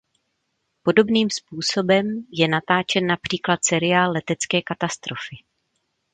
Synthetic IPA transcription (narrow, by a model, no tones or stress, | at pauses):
po̞do̞bniːmspuːso̞bɛmjɛnat̪aːt͡ʃɛnːapr̝̥iːklat̪sɛɾɪaːlːɛt̪ɛt͡skɛːkat̪ast̪ɾo̞fɪ